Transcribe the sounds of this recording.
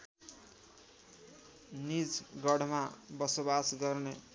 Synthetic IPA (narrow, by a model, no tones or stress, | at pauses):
nid͡zɡʌɽʱmabʌsobasɡʌrne